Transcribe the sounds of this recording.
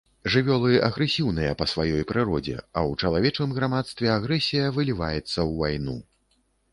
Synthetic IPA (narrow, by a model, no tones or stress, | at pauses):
ʐɨvʲɔlˠɨɐɣɾɛsʲiwnɨjɐpɐsvajɔjpɾɨɾɔd͡zʲɛ̰ɐwt͡ʂɐlˠavʲɛt͡ʂnɨmɣɾamat̪st̪vʲɛaɣɾɛsʲijɐvɨlʲivajɛt̪sːɐwvajnu